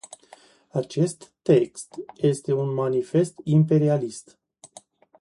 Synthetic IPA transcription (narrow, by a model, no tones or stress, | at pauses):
at͡ʃe̞st̪ːe̞kst̪je̞st̪e̞unmanife̞st̪impe̞ɾialist̪